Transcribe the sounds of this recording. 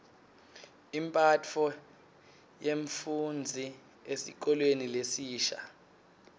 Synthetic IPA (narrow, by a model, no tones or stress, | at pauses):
impʼat͡fʰɔ | jeɱfund͡zʱi | esik̬ɔlwenilesiːʃa̰